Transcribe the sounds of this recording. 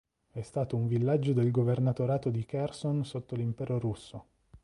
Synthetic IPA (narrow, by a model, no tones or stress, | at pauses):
ɛst̪aːt̪ouɱvilːad͡ʒːod̪elɡovernat̪oɾaːt̪od̪ikɛrsonsot̪ːolimpɛːɾoɾusːo